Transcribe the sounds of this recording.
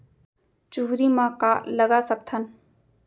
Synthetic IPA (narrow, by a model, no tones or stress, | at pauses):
t͡ʃuɦɾimãkaːləɡasək̚t̪ʰən